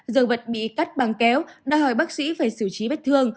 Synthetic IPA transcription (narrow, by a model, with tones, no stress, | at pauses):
zəː˨˩və˨˩t̚ɓḭ˧˨ka˦˥k̚ɓaː˨˩ŋkɛ˨˦wɗa̰ː˧ɦɔ˧˩jɓaː˦˥k̚sḭ˧˥faː˧˩jsɨ˧˩t͡ɕi˨˦ɓe˦˥t̚t̪ʰɨ˧əŋ